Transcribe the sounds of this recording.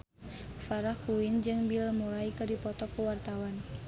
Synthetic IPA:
faɾahkuind͡ʒɨŋbilmuɾaikɨrdipɔt̪ɔkuwart̪awan

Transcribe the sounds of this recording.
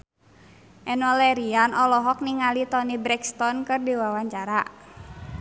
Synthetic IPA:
ʔɛnwalɛɾianɔlɔɦɔk̚niŋalit̪ɔnibɾɛkst̪ɔnkɨrdiwawaɲt͡ʃaɾa

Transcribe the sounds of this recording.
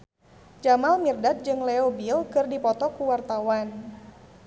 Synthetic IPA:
d͡ʒamalmirdat̪̚d͡ʒɨŋleobilkɨrdipɔt̪ɔkuwart̪awan

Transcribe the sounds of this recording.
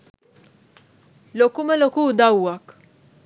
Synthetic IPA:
lɔkumɛlɔkud̪ɐwːɐk

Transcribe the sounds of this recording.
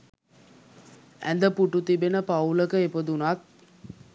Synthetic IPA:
æ̰nd̪əpuʈut̪ibenəpɐwləkəepəd̪unaːt̪̚

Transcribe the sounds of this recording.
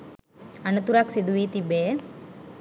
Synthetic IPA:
ɐnɐt̪uɾaksid̪uʋiːt̪ibeː

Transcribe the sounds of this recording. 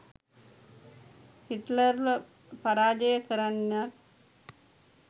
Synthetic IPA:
hiʈləɾʋə | paɾaːd͡ʒəjəkəɾanːar

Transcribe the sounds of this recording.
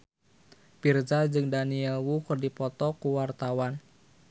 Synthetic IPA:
pird͡ʒad͡ʒɨŋdaniɛlwukɨrdipɔt̪ɔkuwart̪awan

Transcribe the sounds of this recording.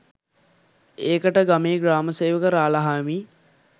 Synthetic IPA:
eːkəʈəɡameːɡɾaːməseːʋəkəɾaːlaɦaːmiː

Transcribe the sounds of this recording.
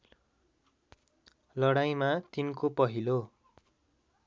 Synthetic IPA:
lʌɽaj̃mat̪inkopʌɦilo

